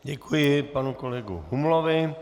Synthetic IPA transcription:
ɟɛkʰujɪpanukolɛɡṵɦumloʋɪ

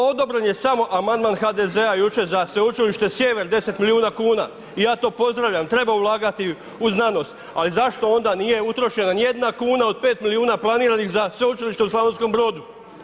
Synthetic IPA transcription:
o̞d̪o̞bɾenje̞samo̞ʔamand̪maːnxad̪eze̞ajut͡ʃe̞zasʋe̞ut͡ʃiliʃt̪e̞sje̞ʋe̞ɾd̪e̞se̞t̪miliuːnakuːna̰ː | ijaːt̪o̞ːpo̞zd̪ɾaʋʎamt̪ɾe̞baulˠaːɡat̪i | uznano̞st̪ | alizaʃt̪o̞o̞nd̪anije̞ut̪ɾo̞ʃe̞nanijed̪nakuːnao̞d̪̚pe̞ːt̪miliuːnaplˠaniːɾanixzasʋe̞ut͡ʃiliʃt̪euslanonsko̞mbɾo̞ːd̪u

